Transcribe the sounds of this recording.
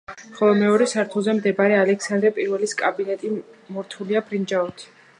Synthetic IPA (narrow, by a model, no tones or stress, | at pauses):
χɔlˠɔmɛɔɾɛsaɾt̪ʰuzɛmd̪ɛbaɾɛalɛksand̪ɾɛpʼiɾvɛliskʼabinɛt̪ʼimɔɾt̪ʰuliabɾind͡ʒaɔt̪ʰ